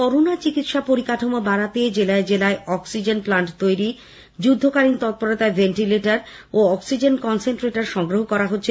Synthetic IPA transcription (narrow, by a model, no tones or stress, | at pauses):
kɔɾonat͡ɕikit̪ʃapoɾikaʈʰomobaɾat̪ed͡ʑelaed͡ʑelaeɔksid͡ʑenplaɳʈt̪ojɾi | d͡ʑud̪ʱːokaɾint̪ɔt̪̚poɾot̪aebenʈileʈaɾoɔksid͡ʑenkɔnsenʈɾeʈaɾʃɔŋɡɾoɦokɔɾaɦotːɕʰe